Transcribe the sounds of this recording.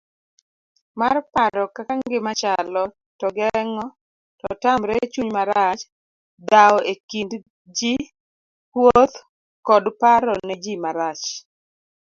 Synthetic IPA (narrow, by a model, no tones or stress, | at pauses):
marpaɾɔkakaŋɡɪmat͡ʃalɔ | tɔɡɛŋɔ | tɔtamɾɛt͡ʃuɲmaɾat͡ʃ | d̪aɔekind | d͡ʒi | wot̪ | kɔdpaɾɔned͡ʒimaɾat͡ʃ